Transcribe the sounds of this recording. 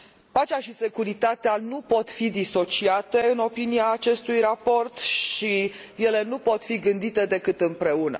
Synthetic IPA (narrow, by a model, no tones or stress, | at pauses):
pat͡ʃeaʃise̞kuɾit̪at̪eanupo̞t̪fid̪iso̞t͡ʃiat̪e̞ɨno̞piniaːt͡ʃe̞st̪ujrapo̞rt̪ʃije̞le̞nupo̞t̪fiɡɨnd̪it̪e̞d̪e̞kɨt̪ɨmpɾe̞unə̰